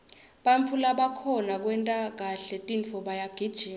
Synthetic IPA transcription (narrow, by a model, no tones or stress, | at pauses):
ɓaɱfʰulaɓakʰɔnak̬ʼwɛntʼak̬aɬɛtʼinfɔɓajaɡ̥ʱid̥ʒ̥ʱiːn